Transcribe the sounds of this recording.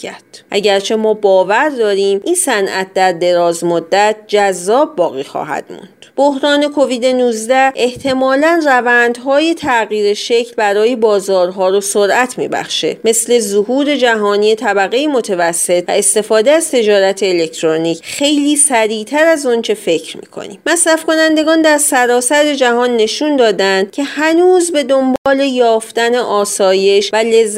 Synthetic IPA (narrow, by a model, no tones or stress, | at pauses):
æɾd̪̥ʔæ̰ɟæɾt͡ʃʰe̞mɒːbɒːvæɾd̪ɒːɾiːmʔinsænʔæ̰t̪̚d̪æɾd̪e̞ɾɒːzmod̪ːæt̪̚ʰd͡ʒæzːɒːbːɒːɣiːxɒ̰ːɦæ̰d̪̥mṵnd̪̥b̥o̞hɾɒːne̞kʰo̞viːd̪e̞nuːzd̪æe̞ht̪ʰe̞mɒːlænrævænd̪ɦɒːje̞t̪ʰæɣiːɾeʃe̞cʰlbæɾɒːjebɒːzɒːɾɦɒːɾosoɾʔæt̪ʰmḭːbæ̰χʃḛme̞sle̞zoɦuːɾe̞d͡ʒæɦɒːniːet̪ʰæbæɣe̞imo̞t̪ʰevæsːet̪̚ʰvæ̰est̪e̞fɒːd̪eæzt̪ʰe̞d͡ʒɒːɾæt̪ʰeːle̞ct̪ʰɾoniːcχe̞jliːsæɾiːt̪ʰæɾæzont͡ʃʰe̞fe̞cʰɾmḭːkʰo̰nḭmmæsɾæfko̞nænd̪e̞ɡɒːnd̪æɾsæɾɒːsæɾe̞d͡ʒæhɒːnːe̞ʃund̪ɒːd̪ænd̪̥̚cʲʰe̞hænuːzbe̞d̪o̞mbɒːle̞jɒːft̪æne̞ʔɒːsɒːje̞ʃvælezː